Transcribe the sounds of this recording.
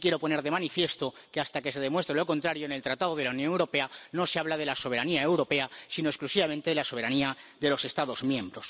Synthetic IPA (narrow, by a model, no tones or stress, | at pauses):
kje̞ɾo̞po̞ne̞ɾðe̞manifje̞st̪o̞ | keast̪ake̞se̞ðe̞mwe̞st̪ɾelo̞ko̞nt̪ɾaɾjoene̞lt̪ɾat̪að̞oð̞e̞launjoŋewɾo̞pe̞ano̞seaβ̞laðe̞laso̞β̞e̞ɾaniaewɾo̞pe̞asino̞esklusiβament̪e̞ðelaso̞β̞e̞ɾaniaðe̞lo̞se̞st̪aðo̞zmjẽ̞mbɾo̞s